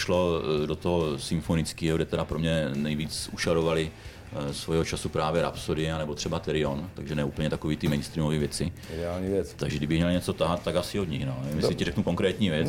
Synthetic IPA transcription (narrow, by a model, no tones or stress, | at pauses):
ʃlo̞dot̪oɦosɪmfo̞nɪt͡skiːɦoɡɾdɛt̪ɛɾapɾomɲɛnɛjviːt͡suʃaɾovalɪ | svojɛɦot͡ʃasupɾaːvjɛɾa̰psoɾɪɛanɛbot̪r̥ɛbat̪ɛɾɪont̪aɡʒɛnɛuːpəɲɛt̪akoviːt̪ɪmɛjnst̪ɾiːmoviːvjɛt͡sɪdɛaːlɲiːvjɛt̪aɡʒɛɡdɪbɪɣmɲɛlɲɛt͡so̞t̪aɦat̪̚t̪ːaɡasɪod̪ɲɪxnoːnɛvɪmjɛsɪcɪɾɛknuko̞ŋkɾɛːt̪ɲiːvjɛt͡s